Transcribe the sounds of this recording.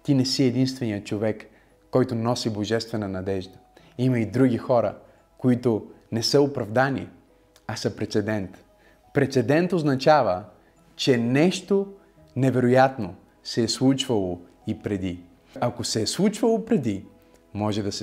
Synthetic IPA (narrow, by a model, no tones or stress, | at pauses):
t̪inɛsiɛd̪inst̪vɛnijət͡ʃovɛkː | ɔjt̪ʊnɔsiboʒɛst̪vɛnənɐd̪ɛʒd̪ə | imɐid̪ɾuɡʲixɔɾə̰ | koit̪onɛsəopɾɐvd̪anḭ | ɐsəpɾɛt̪sɛd̪ɛnt̪ | pɾɛt̪sɛd̪ɛnt̪oznɐt͡ʃavə | t͡ʃɛnɛʃt̪o | nɛvɛɾojat̪no | sɛːslˠut͡ʃvɐlˠo | ipɾɛd̪i | ɐkosɛslˠut͡ʃvɐlˠopɾɛd̪i | mɔʒɛd̪ɐsɛ